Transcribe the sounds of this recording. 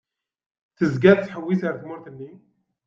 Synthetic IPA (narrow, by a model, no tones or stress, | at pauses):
t̪əzɡæd̪̚t̪ħəwːisaɾt̪mʊɾt̪ənːi